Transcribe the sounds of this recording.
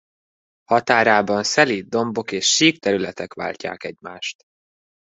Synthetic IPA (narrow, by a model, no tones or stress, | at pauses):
hɒt̪aːɾaːbɒnsɛlid̪o̞mbo̞keːʃːiːkt̪ɛɾylɛt̪ɛkʋa̰ːlca̰ːkɛɟma̰ːʃt̪